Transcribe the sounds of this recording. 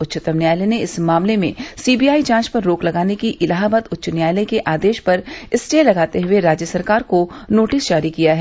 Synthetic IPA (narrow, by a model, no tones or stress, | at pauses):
ʊtːʃət̪ɐmnjaːjleneɪsmaːmlemḛ̃siːbijaːid͡ʒãːt͡ʃpɐɾːoːklɐɡaːnekiʔɪlaːɦbət̪ʊtːʃənjaːjləkeʔaːd̪eːʃpɐɾɪsʈeːlɐɡaːt̪eɦʊeɾaːd͡ʒjəsɐɾkaːɾkonoːʈɪsd͡ʒaːɾikijaɦɛː